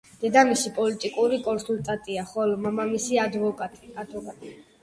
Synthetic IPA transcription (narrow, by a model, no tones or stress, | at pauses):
d̪̥ɛd̪amisipʼɔlit̪ʼikʼuɾikʼɔnsulˠt̪ʼat̪ʼiaχɔlɔmamamisiad̪vɔad̪vɔkʼat̪ʼi